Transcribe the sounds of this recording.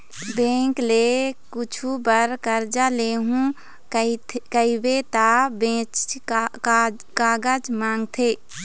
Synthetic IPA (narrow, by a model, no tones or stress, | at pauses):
bẽːŋklekʊt͡ʃʰubəɾkəɾd͡ʒaleːɦũ | kəibet̪abẽt͡ʃ | kaːɡəd͡ʒmãːŋɡt̪ʰe